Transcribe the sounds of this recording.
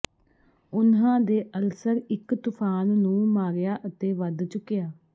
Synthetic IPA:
ʊnɦãːd̪eːʔəlsəɾɪkt̪ʊpʰaːnːũːmaːɾjaːʔət̪eːʋəd̪t͡ʃʊkːɪjaː

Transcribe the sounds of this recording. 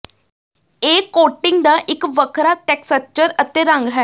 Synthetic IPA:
eːkoːʈɪŋɡd̪aːʔɪkʋəkʰɾaːʈɛːksət͡ʃəɾət̪eːɾə̃ŋɡɦɛː

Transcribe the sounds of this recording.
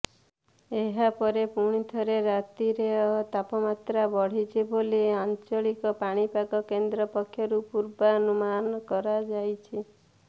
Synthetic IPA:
eɦapɔɾepuɽ̃it̪ʰɔɾeɾat̪iɾeɔt̪apɔmat̪ɾabɔɽ̤it͡ʃʰiboliant͡ʃɔɭikɔpaɽ̃ipakɔkend̪ɾɔpɔkʰːjɔɾupuɾbaɔnumanɔkɔɾad͡ʒajt͡ʃʰi

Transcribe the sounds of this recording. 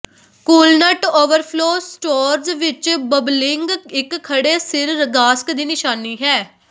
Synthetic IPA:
kuːlnəʈoːʋəɾpʰloːsʈoːɾzʋɪt͡ʃbəblɪŋɡɪkkʰːəɽeːsɪɾːəɡaːsə̥kd̪iːnɪʃaːniːɦɛː

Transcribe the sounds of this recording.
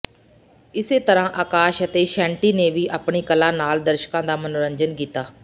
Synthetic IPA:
ɪseːt̪əɾãːʔaːkaːʃət̪eːʃɛ̃ːɳʈiːneːʋiːʔaːpɳiːkəlãːnaːld̪əɾʃkãːd̪aːmənoɾəɲd͡ʒənkiːt̪aː

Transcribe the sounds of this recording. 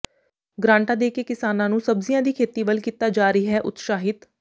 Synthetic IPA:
ɡɾãːɳʈãːd̪eːkeːkɪsaːnãːnũːsəbzɪjãːd̪iːkʰeːt̪iːʋəlkiːt̪aːd͡ʒaːɾəiːɦɛːʔʊ̰t̪ʃaːɦɪt̪

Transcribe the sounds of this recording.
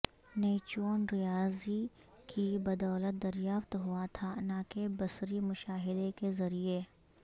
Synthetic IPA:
neːt͡ʃoːnɾɪjaːzi | kibɐd̪ɔːlət̪̚d̪ɐɾjaːft̪ɦʊat̪ʰanaːkebɐsɾimʊʃaːɦɪd̪ekezɐɾie

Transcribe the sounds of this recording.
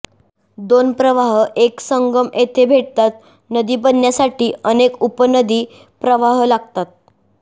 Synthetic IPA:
d̪onpɾəʋaɦʔeksəŋɡəmet̪ʰebʱeʈ̚t̪at̪̚ | nəd̪iːbənjasaʈiːənekupənəd̪iː | pɾəʋaɦlaɡt̪at̪̚

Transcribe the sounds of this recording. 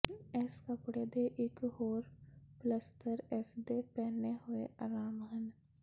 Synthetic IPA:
ɛskəpɽeːd̪eːʔɪkhoːɾpləst̪əɾɛsd̪eːpɛːneɦʊḛʔaːɾaːmɦən

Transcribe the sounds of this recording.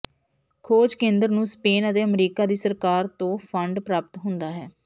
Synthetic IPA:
kʰoːd͡ʒkẽːnd̪əɾnũːspeːnət̪eːəmɾiːkaːd̪iːsəɾkaːɾt̪õːpʰəɳɖpɾaːpət̪ɦʊnd̪aːɦɛː

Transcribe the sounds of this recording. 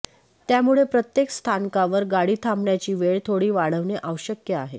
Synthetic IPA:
t̪jamuɭepɾət̪jekst̪ʰankaʋəɾɡaɽiːt̪ʰamɳjat͡ɕiːʋeɭt̪ʰoɽiːʋaɭ̤əʋɳeʔəʋəɕəkjəaɦe

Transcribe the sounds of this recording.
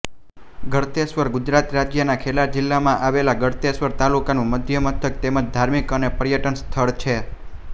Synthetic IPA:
ɡəɽt̪esʋəɾɡʊd͡ʒɾat̪ɾad͡ʒjənakʰelad͡ʒɪlːamãʔaʋelaɡəɽt̪esʋəɾt̪alukanũməd̪ʱjəmət̪ʰək̚t̪eməd͡ʒd̪ʱaɾmikənepəɾjəʈənst̪ʰəɭt͡ʃʰe

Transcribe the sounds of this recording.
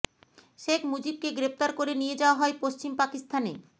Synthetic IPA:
ʃekʰmud͡ʑib̚keɡɾept̪aɾkoɾenijed͡ʑaoaɦɔepoʃt͡ɕimpakist̪ʰanḛ

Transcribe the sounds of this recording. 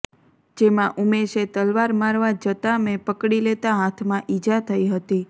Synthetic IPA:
d͡ʒemãʔumeʃet̪əlʋaɾmaɾʋad͡ʒət̪amepəkɽilet̪aɦat̪ʰmãʔid͡ʒat̪ʰəiɦət̪i

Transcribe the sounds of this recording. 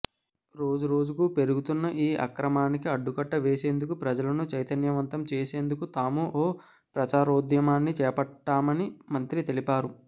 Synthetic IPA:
ɾo̞ːd͡ʒuɾo̞ːd͡ʒukuːpe̞ɾuɡut̪unːɐʔiːʔɐ̰kɾɐmaːnikiɐɖːukɐʈːɐʋe̞ːse̞ːnd̪ukupɾɐd͡ʒɐlɐnut͡ʃɐjt̪ɐnjɐʋɐnt̪ɐmt͡ʃeːse̞ːnd̪ukut̪aːmuʔoː | pɾɐt͡ʃaːɾoːd̪jɐmaːnːit͡ʃɛːpɐʈːaːmɐnimɐnt̪ɾit̪e̞lipaːɾu

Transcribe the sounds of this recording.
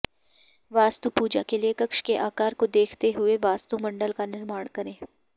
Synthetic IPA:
ʋaːst̪upuːd͡ʒakeliekɐkʃkeʔaːkaːɾkod̪eːkʰt̪eɦʊeʋaːst̪umɐ̃ɳɖəlkanɪɾmaːɽ̃kɐɾẽː

